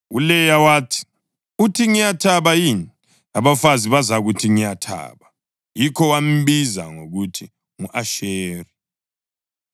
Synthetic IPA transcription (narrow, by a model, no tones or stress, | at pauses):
ulɛjawaːtʰi̥ | utʰiŋijatʰaβajini | aβafaziβazaɣutʰiŋijatʰa̰ːβa | jikʰɔwam̩βiza̰ŋoɣutʰi | ŋuʔaʃeːri